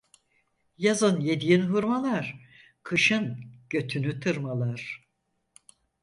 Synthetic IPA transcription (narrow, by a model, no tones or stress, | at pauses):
jazɯnje̞d̪ijinɦuɾmalˠaɾ̥ | kʰɯʃɯnɟ̥ø̞t̪ʰynyt̪ʰɯɾmalˠaɾ̥